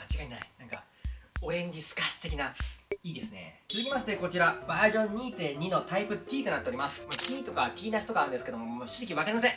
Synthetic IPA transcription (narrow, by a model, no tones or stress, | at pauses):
mat͡ɕiɡaina̰inãŋka̰ | o̞ẽ̞ŋɡʲisɨ̥kaɕi̥t̪e̞kʲinaiːd̪e̞sɨne̞̰t͡sɨzɨkʲimaɕ̬i̥t̪e̞ko̞t͡ɕiɾabaʑõ̞ɲ̟ːiːt̪ẽ̞̟ino̞t̪aipɯ̟t̪ʲiːt̪o̞nat̪ːeo̞ɾʲimasɨ̥mat̪ʲiːt̪o̞katʲiːnaɕi̥t̪o̞kaːɾɯ̟̃ndesɨ̥ke̞d̪o̞momoɕizikʲiβakaɾʲimas̬ẽ̞ŋ